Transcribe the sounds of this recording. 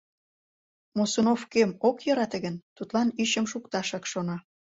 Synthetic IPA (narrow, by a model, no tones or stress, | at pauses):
mosonofkemokjɤ̆ɾɑt̪əɣənt̪ut̪lɑnyɕəmʃukt̪ɑʃɑkʃonɑ